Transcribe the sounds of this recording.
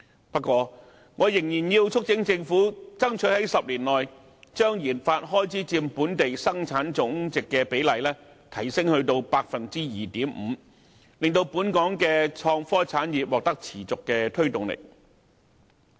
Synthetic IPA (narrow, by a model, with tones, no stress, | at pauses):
pɐ˥kːwɔː˧ | ŋʔɔː˨˧jɪ˨˩ŋjiː˨˩njiː˧wt͡ʃʰʊ˥k̚t͡sɪ˨˥ŋt͡sɪ˧ŋfuː˨˥t͡sɐ˥ŋt͡ʃʰɵ˨˥hɐ˨˥jsɐ˨p̚liː˨˩nlɔː˨j | t͡ʃœː˥ŋjiː˨˩nfaː˧t̚ɦɔː˥jt͡sʰiː˨˥t͡siː˧mpuː˨˥nt̪e˨jsɐ˥ŋt͡sʰaː˨˥nt͡sʊ˨˥ŋt͡sɪ˨kːɛː˧pe˨˥jlɐ˨jlɛː˥ | t̪ʰɐ˨˩jsɪ˥ŋhɵ˧ɥt̪o˧wpaː˧k̚fɐ˨nt͡siː˥jiː˨t̪iː˨˥m̩˨˧ | lɪ˨ŋt̪o˧wpuː˨˥nkɔː˨˥ŋkɛː˧t͡ʃʰɔː˧ŋfɔː˥t͡sʰaː˨˥njiː˨p̚wɔː˨k̚t̪ɐ˥k̚t͡sʰiː˨˩t͡sʊ˨kːɛː˧t̪ʰɵ˥ɥt̪ʊ˨ŋlḛ˨˩k̚